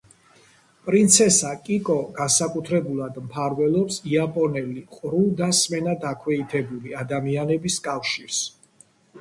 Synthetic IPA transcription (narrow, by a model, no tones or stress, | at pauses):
pʼɾint̪sʰɛsakʼikʼɔɡansakʼut̪ʰɾɛbulˠad̪mpʰaɾvɛlˠɔpsiapʼɔnɛliqʼɾud̪asmɛnad̪akʰwɛit̪ʰɛbuliad̪amianɛbiskʼafʃiɾs